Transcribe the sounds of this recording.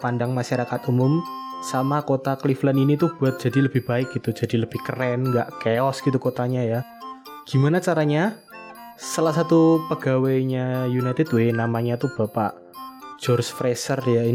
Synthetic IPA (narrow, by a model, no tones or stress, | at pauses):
pandaŋmaʃaɾakat̪umʊmsamakot̪akliflaninit̪uhb̥uat̪̚dd͡ʒ̥a̤diləb̥ɪhb̥aɪk̚ɡ̥it̪ud͡ʒa̤diləb̥ɪhkərɛnŋɡaʔkeɔsɡ̥it̪ukot̪aɲaja | ɡ̥imanat͡ʃaɾaɲa | salasat̪upəɡ̥awaɲajunajt̪ɪdwenamaɲat̪ub̥apa̰ʔ | d͡ʒ̥ɔrsfɾesərjai